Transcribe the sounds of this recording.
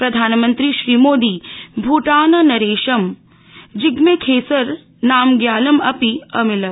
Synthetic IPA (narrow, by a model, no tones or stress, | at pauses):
pɾɐd̪ʱaːnmɐnt̪ɾiʃɾiːmoːd̪iːbʱuːʈaːnɐnɐɾeːʃɐm | d͡ʒɪɡmekʰeːsɐɾ | naːmɡjaːlɐmɐpiɐmilɐ